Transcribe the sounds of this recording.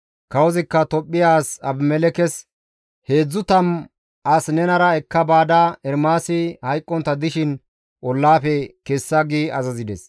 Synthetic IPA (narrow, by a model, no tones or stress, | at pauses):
kɐwɔzɪkːɐt̪ɔpʼːɪjaːsɐbmɛlɛkɛs | he̞ːd͡zːʊt̪ɐm | ʔɐsnɛnɐɾɐɛkːɐbaːd̪ɐɛɾmaːsɪhɐjkʼːɔnt̪ːɐd̪ɪʃɪn | ʔɔlːaːfɛkesːɐɡiɐzɐzɪd̪ɛs